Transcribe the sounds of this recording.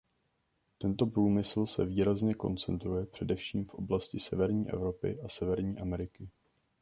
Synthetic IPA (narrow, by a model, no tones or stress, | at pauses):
t̪ɛnt̪o̞pɾuːmɪsl̩sɛ̰viːɾazɲɛko̞̰nt͡sɛ̰nt̪ɾujɛpr̝̥ɛdɛfʃiːmfʔo̞̰blascɪsɛvɛɾɲiːʔɛ̰vɾo̞pɪ̰ʔasɛvɛɾɲiːʔamɛɾɪkɪ